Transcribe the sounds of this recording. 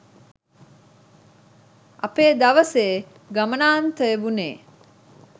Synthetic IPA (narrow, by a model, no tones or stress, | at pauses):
ʔɐpeːd̪aʋəseː | ɡamənaːnt̪əjeʋuneː